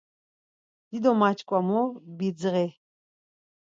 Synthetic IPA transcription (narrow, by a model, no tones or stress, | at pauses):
d̪̥id̪ɔmat͡ʃʰkʷʼamɔbid͡zʁɛ